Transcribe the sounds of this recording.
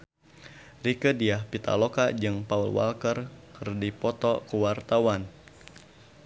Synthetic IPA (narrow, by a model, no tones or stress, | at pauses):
rikədiahpit̪a̰lokad͡ʒɨŋpaulwa̰lkərkɨrdipɔt̪ɔkəwart̪awan